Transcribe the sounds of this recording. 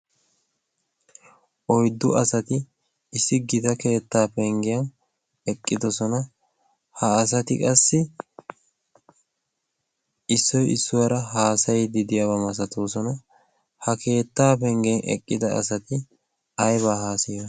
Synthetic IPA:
ʔɔjd̪ːʊɐsɐt̪ɪ | ɪsːɪɡɪt̪ɐke̞ːt̪ːaːpɛŋɡɪjɐn | ɛkʼːɪd̪ɔsɔnɐ | hɐːs̬ɐt̪ɪkʼɐsːɪ | ɪsːɔjɪsːʊwɐɾɐɦaːsɐjd̪ɪd̪ɪjabɐmɐs̬ɐt̪oːs̬ɔnɐ | hɐke̞ːt̪ːaːpɛŋɡnʔɛ̰kʼːɪd̪ɐʔɐ̰sɐt̪ɪ | ɐjβaːɦaːsɪjɐ

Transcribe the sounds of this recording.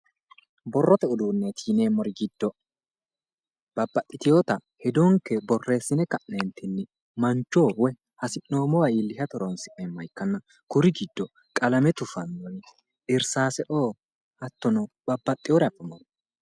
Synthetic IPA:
bɔrːɔt̪ɛʊd̪uːnːɛt̪ʰiːneːmɔɾɪɡɪd̪ːɔ | b̥ɐbːɐt̪ʼːɪt̪ɪjo̞ːt̪ɐhɛd̪oːŋkɛbɔrːe̞ːsːɪnɛkɐʔnent̪ʰɪnːɪ | mɐnt͡ʃːoːwɛ | hɐsɪnːo̞ːmɔwɐilːɪhɐt̪ɔɾɔnsɪʔɛmːɐjkːɐnːɐ | kʊɾɪɡɪd̪ːɔ | kʼɐlɐmɛt̪ʊfɐnːɔn | ʔɪɾsaːsɛʔoː | ɐt̪ːɔnɔ | b̥ɐbːɐt̪ʼːɪjoːɾɛɐfːɛmɔn

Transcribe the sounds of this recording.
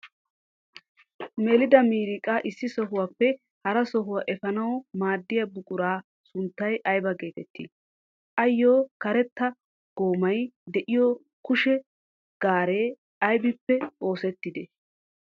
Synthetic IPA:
mɛlɪd̪ɐmiːɾɪkʼaʔɪsːɪsɔɦʊwaːpːɛ | hɐɾɐsɔɦʊwaʔɛfɐnɐwmaːd̪ːɪjɐbʊkʼʊɾaː | sʊnt̪ːɐjʔɐjbɐɡe̞ːt̪ɛt̪ːḭ | ʔɐjːo̞ːkɐɾɛt̪ːɐ | ɡ̥o̞ːmɐjd̪ɛʔɪjo | kʊʃɛ | ɡ̥aːɾe̞ː | ɐjbɪpːɛʔo̞ːsɛt̪ːɪd̪ɛ

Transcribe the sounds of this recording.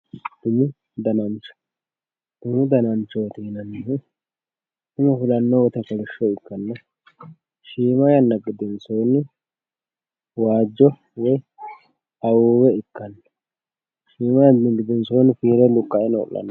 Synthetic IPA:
d̪ʊmɪ | d̪ɐnɐnt͡ʃːɔ̥ | d̪ʊmɪd̪ɐnɐnt͡ʃːot̪iːnɐnːɪ | ɪmɐfɪlɐnːɔwɔt̪ɐkɐlɪʃːɔɪkːɐnːɐ | ʃiːmɐjɐnːɐɡɪd̪ɛnsoːnːɪ | waːd͡ʒːɔ | wɔj | ɐwoːwɛɪkːɐnːɐ̥ | ʃiːmɐjɐnɪɡɪd̪ɛnsoːnfiːɾɛlʊkʼːɐʔɛno̰ːlːɐ̰nɐ

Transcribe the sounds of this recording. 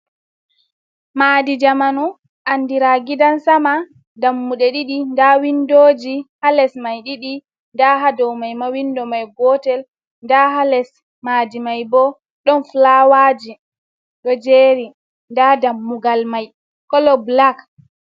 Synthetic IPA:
maːdid͡ʒamanu | ʔanːdiɾaɡidansama | damːuɗɛɗiɗindawindod͡ʒihalɛsmajɗiɗi | ndaɦadɔwmajmawindɔmajɡɔtɛl | ndaɦalɛs | maːdimajbɔ | ɗɔnflawaːd͡ʒi | ɗɔd͡ʒeːɾi | ndadamːuɡalmaj | kɔlɔblak

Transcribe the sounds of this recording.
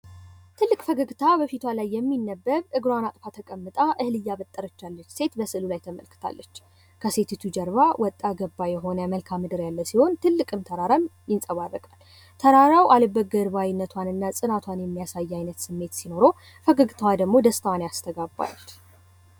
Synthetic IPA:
t̪ʰɨlːɨkʼfəɡəɡt̪ʰabəfit̪ʰwalajːɛmːinːəbːəɾʔɨɡɾwanat̪ʼfat̪ʰəkʼəmːɨt̪ʼaʔɨhlɨjːaβət̪ʼːəɾət͡ʃːalːət͡ʃːse̞t̪bəsɨlulajt̪ʰəmə̰lkɨ̥t̪ʰa̰lːət͡ʃː | kʰəse̞t̪ʰit̪ʰud͡ʒəɾβawʔɔt̪ʼːaɡəbːajɛɦo̞nəməlkʰamːɨd̪ɨɾjalːəwsiho̞nt̪ʰɨlːɨkʼɨmt̪ʰəɾaɾanjɪnsʼəβarːəkʼal | t̪ʰəɾaɾawʔaləbːəɡəɾβajinːət̪ʰwanɨnːasʼɨnat̪ʰwanjɛmːijasajːajnət̪sɨmːe̞t̪sino̞ɾo̞ | fəɡəɡt̪ʰawad̪əɡmo̞d̪əst̪ʰwaneast̪ʰəɡabːa̰l

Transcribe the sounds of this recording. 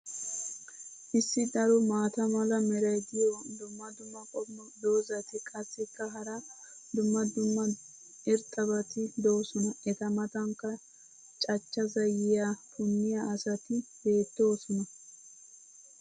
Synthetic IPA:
ʔɪsːɪd̪ɐɾʊmaːt̪ɐmɐlɐmɛɾɐjɡɪjɔd̪ʊmːɐd̪ʊmːɐkʼɔmːd̪o̞ːzɐt̪ɪkʼɐsːɪkːɐɦɐɾɐ | d̪ʊmːɐd̪ʊmːɐ | ɪɾt̪ʼːɐbɐt̪ɪd̪o̞ːsɔnɐʔɛt̪ɐmɐt̪ɐŋkːɐ | t͡ʃʼɐt͡ʃːɐzɐjɪjafʊnːɪjaːsɐt̪ɪbe̞ːt̪ːo̞ːsɔnɐ

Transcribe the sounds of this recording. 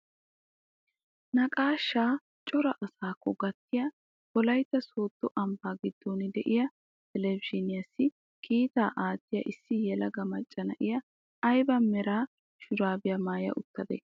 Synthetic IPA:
nɐkʼaːʃːaː | t͡ʃʼɔɾɐʔɐsaːkːɔɡɐt̪ːɪjɐ | bɔlɐjt̪ːɐso̞ːt̪ːɔʔɐmbaːɡɪd̪ːoːnɪd̪ɛʔɪjɐ | t̪ɛlɛbɪʃɪnɪjɐsːɪ | kʰiːt̪a̰ːʔaːt̪ːɪjɐ̰ʔɪsːɪjɛlɐɡɐmɐt͡ʃʼːɐnɐ̰ʔɪjɐː | jbɐmɛɾaː | ʃʊd̪aːbɪjɐmaːjɐ̰ʔʊt̪ːɐd̪ɛ̰

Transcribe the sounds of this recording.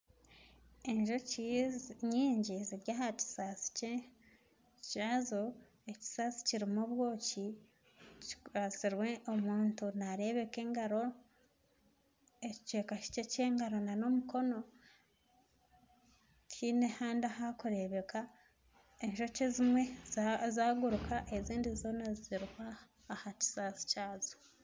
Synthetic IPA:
eɲʒo | ɲiːɲɟiziɾɟahaci̥sasi̥ce | ciazo | eci̥sasi̥ciɾimuβwo̞ːci | ci̥ɾasiɾweʔomuːntunaɾe̞βe̞ke̞ŋɡaɾo̞ | ecce̞ːkaʃi̥cece̞ːŋɡaɾo̞nano̞muko̞no̞ | tʰinehaːndahakuɾe̞βe̞ka | enʃo̞cezimwe̞zaːɡuɾukʰaʔeziːndizo̞nazziɾihwaː | haci̥saːsi̥caːzo̥

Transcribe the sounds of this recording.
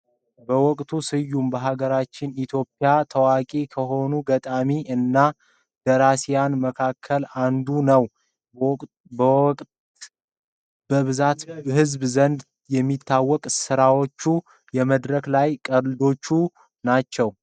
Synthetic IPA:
bəwɔkʼt̪ʰusɨjːumbəɦaɡəɾat͡ʃːɪnit̪ʰjo̞pʼːjat̪ʰəwakʼekʰəɦo̞nuɡət̪ʼamiʔɨnːa | d̪̥əɾasijanməkʰakʰːəland̪unəw | bəβɨzat̪ɦɨzbzənd̪ | jɛmːit̪ʰːawːɔkʼsɨɾawot͡ʃːu | jɛməd̪ɾəklajkʼəɾlɨd̪o̞t͡ʃːu | nat͡ʃːɛw

